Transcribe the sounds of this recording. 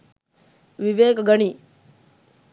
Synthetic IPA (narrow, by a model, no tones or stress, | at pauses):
ʋiʋeːkɡəɳi